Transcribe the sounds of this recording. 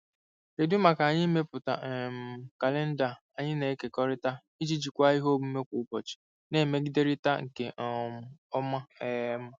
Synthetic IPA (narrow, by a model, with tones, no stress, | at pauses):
te˨dʊ˦ma˨ka˨a˨ɲɪ˦me˦pʊ˨ta̰˨ʔm˨ka˨le˦n̩˦da˨ | a˨ɲɪ˦ne˨˦ke˨kɔ˦ɾɪ˦ta˦ | i˦d͡ʒi˦d͡ʒi˨kʷa˦i˦ɦo˦bu˦me˦kʷu˨˦pɔ˨t͡ʃi̥˨ | ne˨˦˨me˦ɡi˦de˦ɾi˦ta˦ŋ̩˨ke˨ʔm̩˨˦ɔ˦ma˦ɛ˦m̩˦